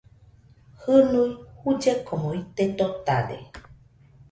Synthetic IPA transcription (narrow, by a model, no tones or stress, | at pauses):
hɨnujhud͡ʒekʰomoit̪et̪ot̪a̰dḛ